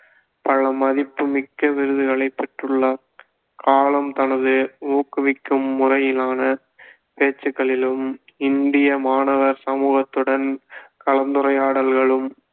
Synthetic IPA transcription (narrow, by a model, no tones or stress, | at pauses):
pɐlɐmɐðɪpːɯmɪkːɐʋɪɾɯðɯɣɐɭɐɪpːɛʈrɯɭːɐ | kaːlɐmt̪ɐnɐðɯoːkːɯʋɪkːɯmːʊrɐjɪlaːnɐ | peːt͡ʃːɯɣɐɭɪlɯm | ɪnd̪ɪjɐmaːnɐʋɐɾsɐmuːɣɐt̪ːɯɽɐnkɐlɐnd̪ɯɾɐɪjaːɽɐlɣɐɭɯm